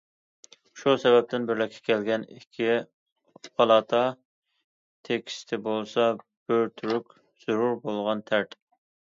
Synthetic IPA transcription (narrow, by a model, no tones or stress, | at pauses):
ʃusɛbɛp̚t̪ɪnbɪɾlɪkʲʰːɛ̥kʲʰɛlɡʲɛnikʲʰːi | pʰɑlˠɑt̪ʰɑ | t̪ʰekʲʰi̥st̪ʰɪbolˠsɑ | b̥øɾt̪ʰyɾykʲ | z̥uɾuɾbolˠʁɑnt̪ʰæɾt̪